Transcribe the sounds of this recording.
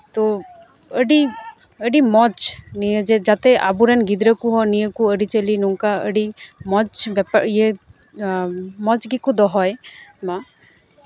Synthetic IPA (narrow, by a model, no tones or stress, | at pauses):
t̪ɔ | əɖi | əɖimɔt͡ʃnijəd͡ʒɛd͡ʒat̪ɛʔa̰buɾɛnɡid̪ɾəkuɦɔnijəkuəɖit͡ʃəlinuŋkaə̰ɖimɔt͡ʃbɛpaɾie | mɔt͡ʃɡikud̪ɔɦɔjma